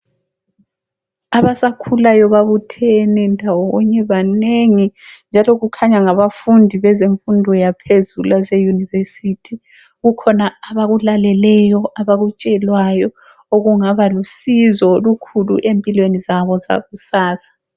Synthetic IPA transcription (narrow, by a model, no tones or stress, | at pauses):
aβasakʰulajɔβaβutʰɛnɛndʱawɔɔɲɛβaneŋind͡ʒʱalɔɣukʰaɲaŋaβafundʱiβɛzeɱfundʱɔjapʰezulasejunivesitʰi | ɣukʰɔnaːβaɣulalɛlɛjɔʔaβaɣut͡ʃʼɛlwajɔ | oɣuŋaβalusizɔlukʰulṵʔempʼilwenizaβɔza̰ɣusaːsḁ